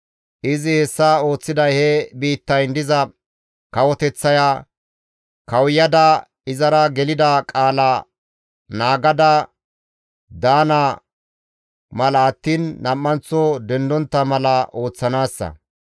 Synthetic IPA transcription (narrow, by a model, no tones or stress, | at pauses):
ʔɪzɪhɛsːaːo̞ːt͡sːɪd̪ɐjhɛbiːt̪ːɐjnd̪ɪzɐ | kɐwɔt̪ɛt͡sːɐja | kɐwjːɐd̪ɐ | ɪzɐɾɐɡɛlɪd̪ɐkʼaːla | naːɡɐd̪ɐ | d̪aːnɐ | mɐlɐːt̪ːiːnːɐmːɐnt͡sːɔd̪ɛnd̪ɔnt̪ːɐmɐlɐʔo̞ːt͡sːɐnaːsːɐ̰